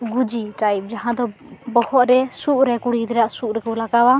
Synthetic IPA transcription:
ɡud͡ʒiʈajp̚d͡ʒaɦãd̪ɔbɔhɔʔ̪ɾɛsuʔɾɛkuɽid̪ɛɾaʔsuʔɾɛkulaɡawa

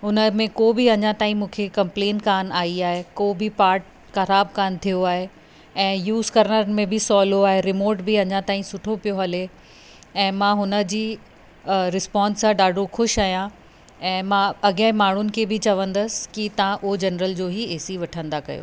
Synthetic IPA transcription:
ɦʊnəmẽkobiɐɲãt̪aːĩmũːkʰekɐ̃mplẽːnʈkaːnaːiaːɦekoːbʱipaːɾʈ̚ | xɐɾaːbkaːnt̪ʰijoaːɦe | ɛ̃ːjuːzkɐɾnəɾəmẽbʱɪsɔːloaːɦeɾɪmoːɾʈbiɐɲãt̪aːĩsʊʈʰopijoɦɐle | ɛ̃ːmãɦʊnə̆d͡ʑiː | ɾɪspãːnsãɖaːɖʱoxʊʃaːijã | ɛ̃ːmãɐɡə̃ɦɪ̃maːɳ̤ʊnɪ̆kʰebʱɪt͡ɕɐʋə̃nd̪əsɪ̥kit̪ɐʋãʔʊɦod͡ʑɐnɾəld͡ʑoːɦieːsiʋɐʈʰə̃nd̪akɐ̰jo̰ː

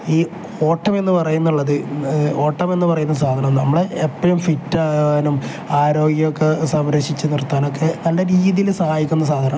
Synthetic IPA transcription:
iː | o̞ːʈːɐme̞nːɨpɐrɐjunːuɭːɐðɨo̞ːʈːɐme̞nːɨpɐrɐjunːɐsaːd̪ʱɐnɐmnɐmːɐɭeepːɐɻumfiʈːaːaːnum | aːɾo̞ːɡjɐjokːe̞sɐmɾɐɕit͡ɕːɨnirt̪ːaːno̞kːe̞nɐɳɖe̞ɾiːðijilsɐhaːjikʲːunːɐs̬aːd̪ʱɐnɐm

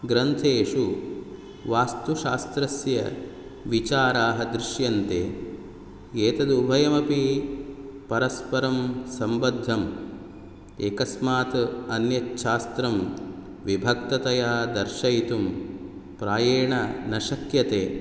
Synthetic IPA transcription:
ɡɾɐnt̪ʰeːʂu | ʋaːst̪uʃaːst̪ɾɐsjɐ̰ | ʋit͡ʃaːɾaːɦɐd̪ɾɪʃjɐnt̪eː | eːt̪ɐd̪ubʱɐjɐmɐpi | pɐɾɐspɐɾɐmsɐmbɐd̪ʱːɐm | eːkɐsmaːt̪ɐnjɐtʃaːst̪ɾɐm | ʋibʱɐk̚t̪ɐt̪ɐjaːd̪ɐɾʃɐjt̪umpɾaːjeːɳɐnɐʃɐkjɐt̪eː

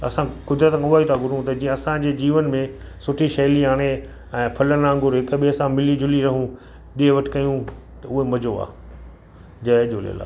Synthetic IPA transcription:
ɐ̰sãkʊd̪ɾət̪kʰãʊʋaːit̪ʰaɡʱʊɽũt̪ɐd͡ʑĩːə̃ɐsãd͡ʑeːd͡ʑiːʋənmẽsʊʈʰiʃɐɦliaːɽ̃e | ɛ̃ːpʰɐlənãːŋɡʊɾɦɪkɓiɐsãmɪlid͡ʑʊliɾɐɦũ | ɗieʋɐʈkɐjũ | t̪ɐʊɦemɐd͡ʑoa̰ː | d͡ʑɐʄolḭə̰la̰ː

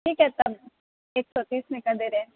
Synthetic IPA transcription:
ikɛt̪m | eːksɔt̪iːsmẽkad̪eɾɛ̃

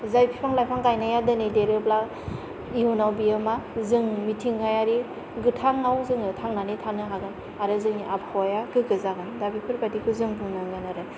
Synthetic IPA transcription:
zajpʰipʰaŋlajpʰaŋtajnajadɯnideɾɯbla | iunawbiɯmazɯŋmitʰiŋɡajaɾi | ɡɯtʰaŋawzɯŋɯtʰaŋnanitʰanɯɦaɡɯn | aɾɯzɯŋiʔapʰawajaɡɯɡɯzaɡɯndabipʰɯɾpatikʰɯzɯŋpʰɯŋnɯŋɡanaɾɯ

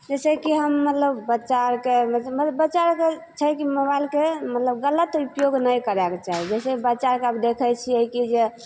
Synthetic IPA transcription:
d͡ʒɛsekiɦəmːət̪ləbːət͡ʃaɾkeəbət͡ʃaɾket͡ʃʰəkiməβaɪlkemət̪ləbɡələt̪upjoɡnəjkəɾɛket͡ʃaɦid͡ʒɛsebət͡ʃaɾkeəbd̪ekʰəjt͡ʃʰiəikid͡ʒe

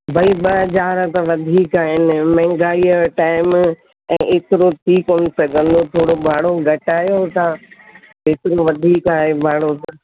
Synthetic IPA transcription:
bʱɐiɓɐd͡ʒaːɾət̪ɐʋɐd̪ʱiːkaːɦɪnɪ̆mɛ̃ːŋɡaːiəʈaːɪm | ɛ̃ːʔeːt̪ɪɾot̪ʰiːkoːnɪsɐɡʱə̃nd̪ot̪ʰoːɽobʱaːɽoɡʱɐʈaːjot̪ʰãː | beːt̪ɪɾõʋɐd̪ʱiːkaːɦebʱaːɽot̪

